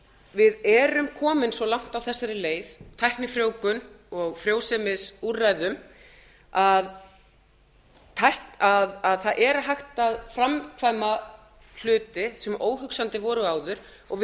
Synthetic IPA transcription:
vɪðɛɾʏmkʰɔːmɪnsvɔlawŋ̥t̪awθɛsːaɾɪleːjðt̪ʰajhknɪfɾjoːwkʏn | ɔɣfɾjoːwsɛmɪsurajðʏm | að | t̪ʰajhkaðaðθaðʔɛɾaɦajxt̪aðfɾamkʰvaːjma | l̥ʏːt̪ɪsɛmʔoːwɦʏksant̪ɪvɔːɾʏaːwðʏɾ̥ | ɔɣv

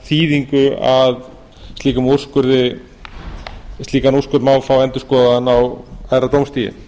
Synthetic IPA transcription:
θiːðiŋkʏað | st̪iːkamur̥skʏɾðɪ | st̪iːkanurskʏɾmawfawɛnt̪ʏ̥skɔːðaðanawajɾat̪owmst̪iːjɪ̰

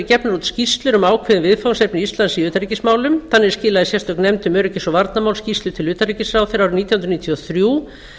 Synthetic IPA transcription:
ɪcɛpnaɾut̪scist̪lʏɾʏmaːwkʰvɪðɪvɪðfawnsepnɪist̪lansɪiʏːt̪aɾricɪsmaːwlʏmθanːɪɛɾscɪːlaðɪsjɛr̥t̪œk̚nɛmt̪ʏmœɾɛcɪsɔvaɾt̪namawlscist̪lʏ̥t̪ʰɪlʏːt̪aɾricɪsɾaːwθɛɾawɾʏmniːt̪jhʏnɾʏniːt̪ʰiɔθɾjuː

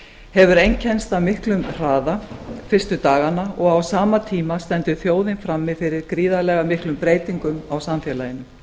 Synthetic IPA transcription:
hɛvʏɾejɲcʰɛnst̪awmɪhklʏmr̥aːðafɪr̥st̪ʏt̪aːɣanaɔɣawsaːmat̪ʰiːmast̪ɛnt̪ʏθjoːwðɪnfɾamːɪðfɪɾɪɾkɾiːðalɛɣamɪhklʏmpɾeːjt̪iŋkʏmawsamfjɛːlajɪnʏ

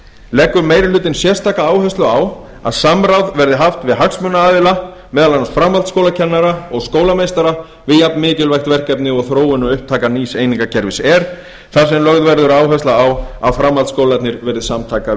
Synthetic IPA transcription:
lɛkːʏɾmeːjɾɪlʏːt̪̬ɪnsjɛr̥st̪ʰaːkaaːwhœst̪lʏaw | a̰ðsamɾawðvɛɾðɪɦaft̪vɪðɦaksmʏnːaaːðvɪla | mɛːðalanasfɾamhalt̪skowlacʰɛnːaɾaɔɣskoːwlamejst̪aɾa | vɪðjapnmɪːcɪlvajxt̪vɛr̥kɛpnɪɔɣθɾoːwɪnʏʏhp̚t̪ʰaːkaniːseːjniŋkacʰɛɾvɪsɛɾ̥ | θḁsɛmlœɣðvɛɾðʏɾaːwɦœst̪laawa̰ðfɾamːalskoːwlat̪nɪɾvɛɾðɪsamt̪ʰaːka

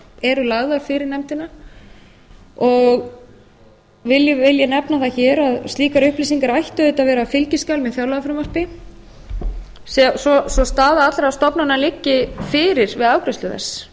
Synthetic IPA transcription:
ɛɾʏlaɣðaɾ̥fɪɾɪɾnɛmt̪ɪna | ɔɣ | vɪljvɪljɛnɛpnaθaçɛːɾaðst̪liːkaɾʏhpliːsiŋkaɾajht̪ʏðɛt̪avɛːɾafɪlcɪskalmɛθjawlaɣafɾɪmar̥pɪ | sɛsɔsɔst̪aːðaat̪lɾast̪ɔpnanːalɪcːɪfɪːɾɪɾ̥vɪðaːwkɾɪst̪ʏðɛ̰sː

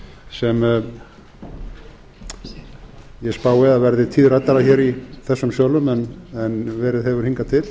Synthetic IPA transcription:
sɛm | jɛspaːwɪaðvɛɾðɪt̪ʰiːðɾajt̪aɾaçɛɾiθɛsːʏmsjœːwlʏmɛnɛnvɛːɾɪðɦɛvʏɾ̥hiŋkat̪ʰɪl

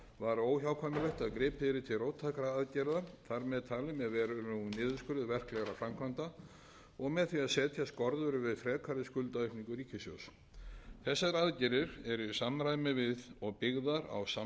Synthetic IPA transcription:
vaɾoːwçjawkʰɔmɪlɛht̪aðkɾɪːpʰɪɾɪt̪ʰɪlrowt̪ʰːakɾaaðcɛɾðaθaɾmɛðt̪ʰaːlʏmɛðvɛːɾʏnunɪːðʏskʏɾɪðvɛr̥klɛɣaɾafɾamkʰvant̪a | ɔɣmɛðθviaðsɛːt̪ʰjaskɔɾðʏɾʏvɪðfɾɛːkʰaɾɪskʏlt̪aœɥhpniŋkʏɾiːcʰɪsjo̰ws | θɛsːaɾaðcɛɾɪɾɛɾʏsamɾajðmɪvɪðɔɣpɪɣðaɾa̰wsa

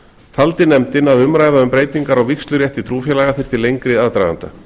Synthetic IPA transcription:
t̪ʰalt̪ɪnːɛmt̪ɪnaðʏmɾaːjðaʏmpɾeːjt̪iŋkaɾawvikst̪lʏɾjɛht̪it̪ʰɾuːfjɛlaɣaθɪɾ̥t̪ʰɪlejŋkɾɪaðt̪ɾajða̰nt̪a̰

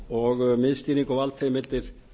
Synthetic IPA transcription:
ɔɣmɪðst̪iniŋkɔvalt̪ʰejmɪlt̪ɪɾ̥

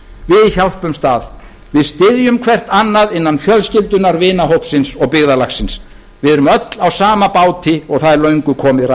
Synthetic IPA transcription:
vɪðiçal̥pʏmst̪aːð | vɪðst̪ɪðjʏmkʰvɛr̥t̪anːaðɪnːanfjœlscɪlt̪ʏnaɾvɪːnaɦowpsɪnsɔɣpɪɣðalaxsɪns | vɪðɛɾʏmœt̪lawsaːmapaːwt̪ʰɪɔɣθaðlœɥŋkʏkʰɔːmɪðra

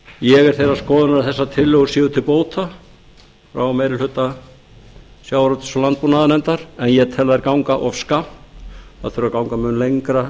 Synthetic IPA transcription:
jɛɣɛɾ̥θejɾaskɔːðʏnaɾɪθɛsːat̪ʰɪlːœɣʏsjɪːðʏt̪ʰɪlpoːwt̪ʰa | fɾa̰wɔmejɾɪlhʏt̪ːa | sjaːwɾœt̪ɪ̥sɔlant̪̚punaðnɛnt̪aɾ̥ɛnjɛt̪ʰɛlaðɛɾkawŋkaʔɔfskapna̰ðθʏɾakawŋkamʏːnlejŋkɾa

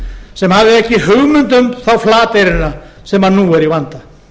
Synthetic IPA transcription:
sɛmhavðɪɛhcɪhʏɣmʏnt̪ʏmθawflaːt̪ejɾɪna | sɛmanuːɛɾivant̪a

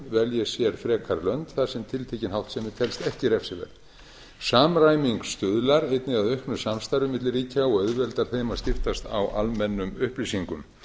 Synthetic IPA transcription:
vɛljɛsjɛɾ̥fɾɛːkʰaɾlœnt̪θaðsɛmt̪ʰɪlt̪ʰejcɪnhawht̪sɛmːɪt̪ʰɛlst̪ɛhcɪɾɛfsɪvɛ̰ɾð | saːmɾajmiŋkst̪ʏðlaɾejt̪nɪɣaðœhknʏsamst̪ajɾʏmɪt̪lɪriːcaɔɣœðvɛlt̪aɾ̥θejmasc̪ɪr̥t̪ast̪a̰wʔalmɛnːʏmʏhplisiŋkʏm

